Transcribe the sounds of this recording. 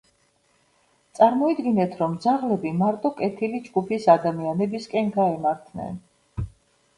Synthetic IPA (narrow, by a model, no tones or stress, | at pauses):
t̪sʼaɾmɔid̪ɡinɛt̪ʰɾɔmd̪zaʁlɛbimaɾt̪ʼɔkʼɛt̪ʰilid͡ʒɡupʰisad̪amianɛbiskʼɛnɡaɛmaɾt̪ʰnɛ̰n